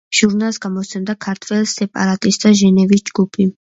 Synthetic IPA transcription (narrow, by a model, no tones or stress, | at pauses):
ʒ̥uɾnalˠsɡamɔt̪sʰɛmd̪akʰaɾt̪ʰvwɛlsɛpʼa̰ɾat̪ʼisd̪aʒɛnɛvisd͡ʒɡupʰi